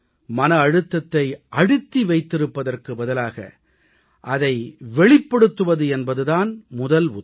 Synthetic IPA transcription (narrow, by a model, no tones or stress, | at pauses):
mɐnɐːɻɯt̪ːɐt̪ːɐɪʔɐɽɯt̪ːiʋɐɪt̪ːɪɾɯpːɐðɐrkɯbɐðɐlaːɣɐ̰ | ʔɐðɐɪʋɛɭɪpːɐɽɯt̪ːɯʋɐðɯɛnbɐðɯðaːnmʊðɐlʊ